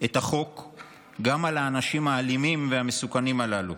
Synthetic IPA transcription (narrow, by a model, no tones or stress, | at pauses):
etaχo̞k | ɡamalaːnaʃimhaːlimimveame̞sukanimalalu